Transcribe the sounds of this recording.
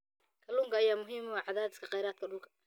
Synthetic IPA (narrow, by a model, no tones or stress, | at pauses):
kʰɐlʊːŋkʰɐɐjaːmʊɦiːmʊwaʕɑðaːd̪ɪskʰɐqɑjɾaːd̪̚kʰɐɖʊlkʰɐ̥